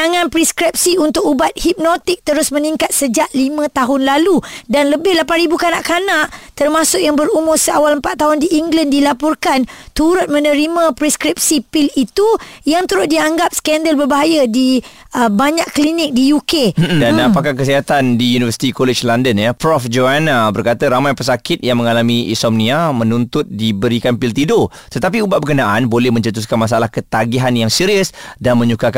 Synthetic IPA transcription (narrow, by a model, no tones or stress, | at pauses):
aŋãnpɾiskɾip̚siunt̪ʊk̚ubat̪̚hip̚not̪ɪk̚t̪əɾʊsmə̃niŋkat̪̚səd͡ʒaʔlimə̃t̪aɦʊnlaludanləbɪhlapanɾibukanaʔkanaʔt̪ərmasʊkjaŋbəɾumʊrsəawaləmpat̪ːaɦʊndiʔːŋɡlandilapʊrkant̪uɾʊt̪̚mə̃nə̃ɾimãpɾiskɾip̚sipilit̪ujaŋt̪əɾʊt̪̚diaŋɡap̚sə̥kɛndəlbərbaɦajadi | əbaɲakkːlinɪk̚dijukedanapakak̬əsiɦat̪andijunivəsi̥t̪ikoled͡ʒlandənjəpɾɔfd͡ʒoanabərkat̪əɾamajpəsakɪt̪̚jaŋmə̃ŋalamiḭsɔmnĩamə̃nunt̪ʊt̪̚dibəɾikanpilt̪ido | t̪ət̪ap̬iubatʔ̚bəkənaʔanbolɛhmə̃ɲt͡ʃət̪̬us̬kanmas̬aalahkət̪aɡiɦanjaŋsiɾiəsdanmə̃ɲukaka